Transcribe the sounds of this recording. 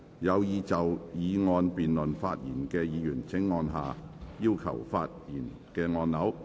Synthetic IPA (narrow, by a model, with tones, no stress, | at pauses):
jɐ˨˧wjiː˨˧t͡sɐ˨wjiː˨˧ŋɔː˧npiː˨nlɵ˨˩nfaː˧t̚jḭː˨˩nkɛː˧jiː˨˧jyː˨˩nt͡sʰɪ˨˥ŋːɔː˧nɦa̰ː˨jiː˥wkʰɐ̰˨˩wfa̰ː˧t̚jiː˨˩n | kɛː˧ŋɔː˧nːɐ˨˥w